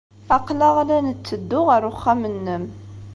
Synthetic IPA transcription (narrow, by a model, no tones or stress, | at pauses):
aqlaʁlænət͡sːəd̪ːʊʁaɾʊχːamənːəm